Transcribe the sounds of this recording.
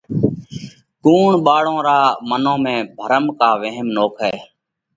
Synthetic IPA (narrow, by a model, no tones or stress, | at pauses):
kuːɳɓaːɽõːɾaːmənõːmẽːbʱəɾəmkaːʋəɦəmnoːkʰɦɛː